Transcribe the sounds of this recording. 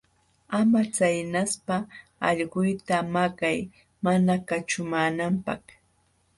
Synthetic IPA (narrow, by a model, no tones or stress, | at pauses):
amat͡sajnaspaɑ̰ʎɢʊjt̪amakaj | manakat͡ʃʊmaːnampɑ̰χ